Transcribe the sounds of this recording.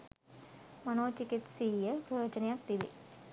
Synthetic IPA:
manoːt͡ʃikit̪siːjəboːd͡ʒənejak̚d̪iʋḭ

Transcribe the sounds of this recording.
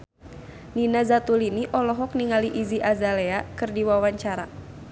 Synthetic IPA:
ninazat̪uliniʔɔlɔɦɔk̚niŋaliʔiziʔazaleakɨrdiwawaɲt͡ʃaɾa

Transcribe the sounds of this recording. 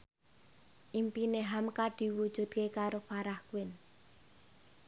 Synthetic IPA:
ʔimpineɦamkaɖ̥i̤wud̥ʒ̥ṳt̪̚kekaɾopaɾahkuwɪn

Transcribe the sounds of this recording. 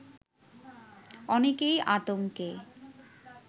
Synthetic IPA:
ɔnekejʔat̪oŋke

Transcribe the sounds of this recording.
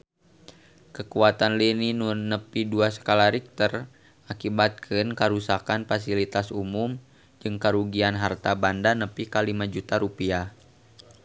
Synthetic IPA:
kəkuat̪anlininunːəpiduasə̥kalaɾik̚t̪ər | akibat̪̚kʰɨnkaɾusakanfas̬ilit̪asumum | d͡ʒɨŋkaɾuɡianɦart̪abandanəpikalimad͡ʒut̪aɾupia

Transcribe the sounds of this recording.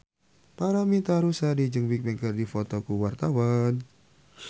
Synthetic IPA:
paɾamit̪aɾusadid͡ʒɨŋbik̚bɛŋkərdifɔt̪ɔkuwart̪awan

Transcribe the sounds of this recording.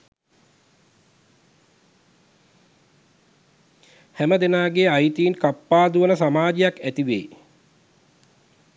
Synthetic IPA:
hæməd̪enaːɡeajit̪iːnkapːaːd̪uʋənəsamaːd͡ʒejakæt̪iʋḛː

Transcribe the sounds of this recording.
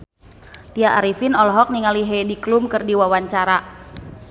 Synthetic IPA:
t̪iaʔaɾifinɔlɔɦɔk̚niŋaliɦɛdiklumkɨrdiwawaɲt͡ʃaɾa

